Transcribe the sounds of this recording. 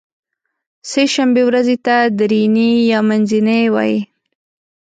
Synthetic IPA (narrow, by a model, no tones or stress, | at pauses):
seʃambewɾazet̪ad̪ɾinijɑmanzinewɑ̰ji